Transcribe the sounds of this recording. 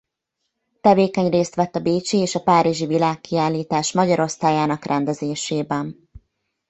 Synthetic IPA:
t̪ɛveːkɛɲreːst̪ʋɛt̪ːɒbeːt͡ʃieːʃɒpaːɾiʒivilaːkːiaːlːiːt̪aːʃmɒɟɒɾo̞st̪aːjaːnɒkrʔɛnd̪ɛzeːʃeːbɛn

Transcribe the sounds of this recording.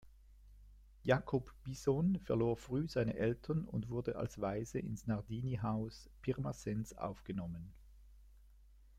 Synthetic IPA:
jakʰɔpb̥izonfɛɐloːɐfʁyːz̥aɪnəʔɛltʰɐnʊ̰ndv̥ʊɐdəʔa̰lsvaɪzəʔɪ̰nsnaʁdiːniɦaʊspʰɪʁmasɛnsa̰ʊfɡ̥ənɔmən

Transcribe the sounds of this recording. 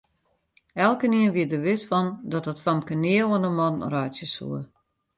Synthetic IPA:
ɛlˠkəniənʋiət̚dəʋɪtfɔndɔtətfɔmkənɪələnəmɔnrɔjtjəsṵə

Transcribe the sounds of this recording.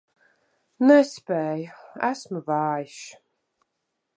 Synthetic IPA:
nɛspɛːjæsmuvaːjʃ

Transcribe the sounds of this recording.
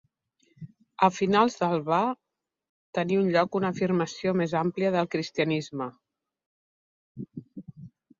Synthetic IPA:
əfinalˠzðəlˠβa | t̪əniunʎɔkunəːfirməsiomezampliəðəlˠkɾist̪iənizmə

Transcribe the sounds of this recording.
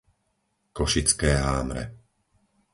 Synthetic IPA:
kɔʃit͡skɛːɦaːmɾɛ̰

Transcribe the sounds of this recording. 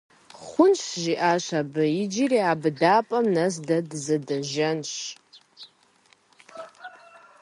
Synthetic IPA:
χʷʊnt͡ʃʰʒiʔaʃʷabɨid͡ʒiriabdaːpʼɐmnɐs̬dɐdzɨdɐʒɐnʃ

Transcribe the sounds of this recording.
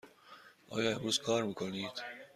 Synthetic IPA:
ʔɒ̰ːjɒːe̞mɾuːz̥kʰɒːɾmiːkʰoniːd̪̥

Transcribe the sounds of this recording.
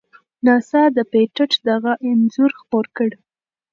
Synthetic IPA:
nɑsɑd̪əpeʈəʈ͡ʂd̪aɣaʔɪnzuɾxpoɾkəɽ

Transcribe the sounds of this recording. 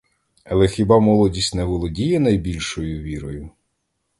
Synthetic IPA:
ɐlˠɛxʲibɑmɔlˠɔdʲisʲtʲnɛʋɔlˠɔdʲijɛnɐjbʲilʲʃɔjʊʋʲiɾɔjʊ

